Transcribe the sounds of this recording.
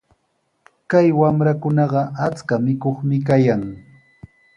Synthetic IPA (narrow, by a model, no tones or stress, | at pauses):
kajwamɾakʊnɑɢɑat͡skamɪkoχmɪk̬ajaŋ